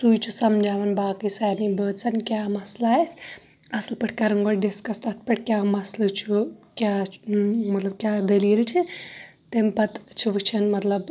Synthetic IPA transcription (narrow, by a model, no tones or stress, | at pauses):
sujt͡ʃʰusɐmd͡ʒaːʋɐnbaːkɨsaːjnibəːd̪sɐnkʲjamɐslaːjs | ɐslpɐʈʰkaɾɐŋɡoɖeskɐst̪ɐt̪̚ʰpɐʈ̚ʰkʲjamɐslɨt͡ʃʰukʲja | mɐt̪lɐb̚kʲjad̪əlijelit͡ʃʰit̪empɐt̪t͡ʃʰiʋɨt͡ʃʰɐnmɐt̪lɐb